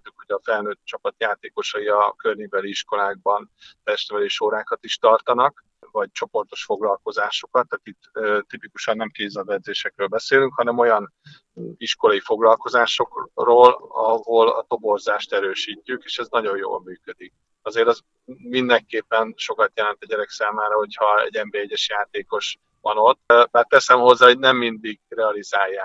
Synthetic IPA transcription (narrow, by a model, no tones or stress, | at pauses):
t̪ːukho̞ɟɒfɛlnøːt̪̚t͡ʃɒpɒt̪jaːt̪eːko̞ʃɒiɒkørɲivɛliiʃko̞laːɡ̚bɒnt̪ɛʃt̪vɛliːʃoːɾaːkɒt̪iʃt̪ɒrt̪ɒnɒk | vɒɟt͡ʃo̞po̞rt̪o̞ʃfo̞ɡlɒlko̞zaːʃo̞kɒt̪ːaːt̪it̪ːt̪ipikuʃɒnːɛmkeːzɛvɛd̪zeːʃɛkrøːlbɛseːlyŋkhɒnɛmo̞jɒn | iʃko̞lɒjifo̞ɡlɒlko̞zaːʃo̞kroːlɒ̰ɦo̞lɒ̰t̪o̞bo̞rzaːʃt̪ɛɾøːʃiːcːykeːʃɛznɒɟo̞jjo̰ːlmyːkød̪ik̚ | ɒzeːɾɛz | mind̪ɛŋkeːpːɛnʃo̞kɒt̪jɛlɛnt̪ɒɟɛɾɛksaːmaːɾɒɦo̞chɒɛ̰ɟɛmbeɛɟːɛʃjaːt̪eːko̞ʃ | vɒno̞t̪ːmɛrt̪ːɛsɛmho̞zːaːɦo̞ɟnɛmːind̪iɡrɛɒlizaːjːaːk